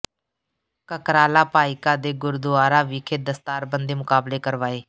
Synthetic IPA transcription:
kəkɾaːlaːpaːɪkaːd̪eːɡʊɾd̪ʊaːɾaːʋiːkʰeːd̪əst̪aːɾbənd̪eːmʊkaːbleːkəɾʋaːeː

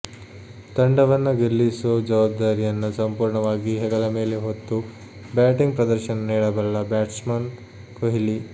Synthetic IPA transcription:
t̪ɐɳɖɐʋɐnːɐɡelːisoːd͡ʒɐʋaːb̚d̪aːɾijɐnːusɐmpuːɾɳɐʋaːɡiɦɛɡɐlɐme̞ːleɦot̪ːu | baːʈiŋɡpɾɐd̪ɐɾʃɐnɐniːɽɐbɐlːɐbaːʈsmɐn | koɦili

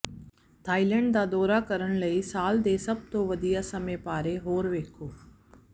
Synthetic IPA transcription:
t̪ʰaːilə̃ɳɖd̪aːd̪ɔːɾakɐɾəɽ̃lɐisaːld̪eːsɐb̚t̪oʋɐd̪ijasɐmepaːɾeɦoːɾʋeːkʰoː

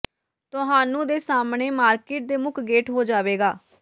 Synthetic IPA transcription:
t̪ʊɦaːnũːd̪eːsaːmɳeːmaːɾkeːʈ̚d̪eːmʊkʰɡeːʈɦoːd͡ʒaːʋeːɡaː

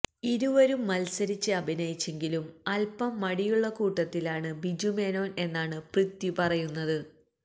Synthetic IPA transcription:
iɾuʋɐɾumːɐlsɐɾit͡ɕːɨɐbʱinɐjit͡ɕːe̞ŋɡilumɐlpɐmːɐɽijuɭːɐkuːʈːɐt̪ːilaːɳɨbid͡ʑumeːno̞ːne̞nːaːɳɨprɨt̪ːjipɐrɐjunːɐðɨ

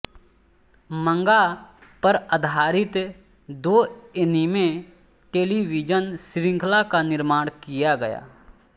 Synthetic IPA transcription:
mə̃ŋɡapəɾəd̪ʱaːɾɪt̪ | d̪oːenimẽ | ʈeːliʋid͡ʒənsɾɪ̃ŋkʰlakanɪɾmaːɽ̃kijaɡɐja̰ː

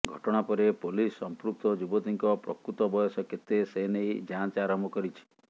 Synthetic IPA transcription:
ɡʱɔʈɔɽ̃apɔɾepolisːɔmpɾuk̚t̪ɔd͡ʒubɔt̪iŋkɔpɾɔ̰kɾut̪ɔbɔjɔsɔket̪ːesenejd͡ʒant͡ʃaɾɔmɔkɔɾit͡ʃʰi̥

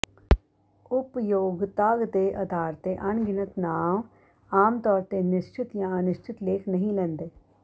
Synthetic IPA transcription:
ʊpjoːɡt̪aːɡt̪eʔɐd̪ʱaːɾt̪eʔɐnɡɪnət̪naːm | aːmt̪ɔːɾt̪enɪʃt͡ʃʰɪt̪jãɐnʊʃt͡ʃʰɪt̪leːkʰnɐɦĩlɛ̃nd̪eː

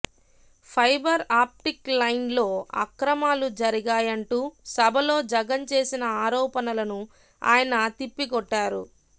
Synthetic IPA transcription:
pʰɐjbɐɾaːp̚ʈiklɐjnlo̞ːɐ̰kɾɐmaːlud͡ʒɐɾiɡaːjɐɳʈuːsɐbʱɐlo̞ːd͡ʒɐɡɐnt͡ʃe̞ːsinɐaːɾɔːpɐnɐlɐnu | a̰ːjɐnɐt̪ipːiɡɔʈːaːɾṵ

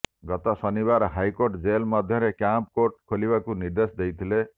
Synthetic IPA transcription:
ɡɔt̪ɔsʌnibaɾɦajkoɾʈd͡zelmɔd̪ʱjʌɾekjamp̚koɾʈ̚kʰolibakuniɾd̪esd̪ejt̪ʰile

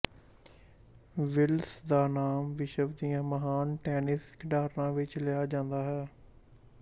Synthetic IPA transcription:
ʋɪlsd̪aːnaːmʋɪʃəbd̪ijãːməɦaːnʈɛːnɪskɖaːɾnãːʋɪt͡ʃlɪjaːd͡ʒãːnd̪aːɦɛː

